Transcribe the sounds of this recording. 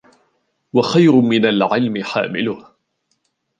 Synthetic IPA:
waxajɾʊmɪnalʕɪlmɪħa̰ːmɪ̰lʊh

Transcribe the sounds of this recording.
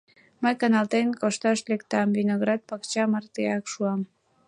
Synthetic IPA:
məjkɑnɑlt̪enkoʃt̪ɑʃlekt̪ɑmvinoɣɾɑd̪̚pɑkt͡ɕɑmərt̪eɑkʃuɑm

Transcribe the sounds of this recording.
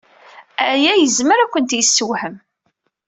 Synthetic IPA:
æjæjəzməɾækʷːənt̪jəsːəwħəm

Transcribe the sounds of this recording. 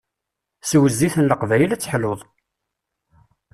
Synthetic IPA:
swəzːiθənləqvæjəlæt͡sːə̥ħloðˤ

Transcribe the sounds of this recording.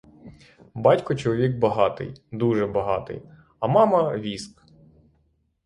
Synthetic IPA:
bɑtʲkɔt͡ʃɔlˠɔʋʲiɡbɐɦɑt̪ɪ̰jd̪uʒɛbɐɦɑ̰t̪ɪ̰j | ɐmɑmɐʋʲisk

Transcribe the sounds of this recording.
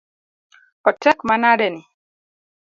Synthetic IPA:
kɔtʰɛkmanaɗɛni

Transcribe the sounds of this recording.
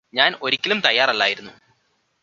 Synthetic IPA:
ɲaːno̞ɾikʲːɐlumt̪ɐjːaːrɐlːa̰ːjiɾunːu

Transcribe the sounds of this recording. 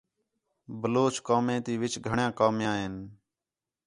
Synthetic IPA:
bəloːt͡ʃkaːmẽːt̪iːʋɪt͡ʃɡʱəɳjãːkaːmjãːɦɪn

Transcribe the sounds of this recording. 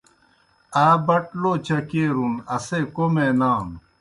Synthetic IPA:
aːbɐʈloːt͡ɕɐkeːɾunɐseːkomenaːm

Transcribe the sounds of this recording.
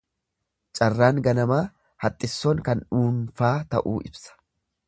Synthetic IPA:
t͡ʃʼɐrːaːŋɡɐnɐmaː | hɐt̪ʼːɪsːoːŋkɐnᶑuːnfaːt̪ɐ̰ʔuːʔɪ̰bsɐ̥

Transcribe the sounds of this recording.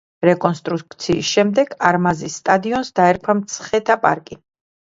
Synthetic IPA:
ɾɛkʼɔnst̪ʼɾuk̚t̪sʰiːsʃɛmd̪ɛɡaɾmazisːt̪ʼad̪iɔnsd̪aɛɾkʰamt̪sʰχɛt̪ʰapʼa̰ɾkʼi

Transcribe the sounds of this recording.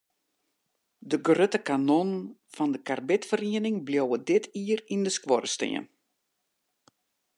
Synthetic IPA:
dəɡrøtəkanonfɔndəkarbɪtfəriənɪŋbljowədɪtʰiərindəskwɔrəstḛə̰n

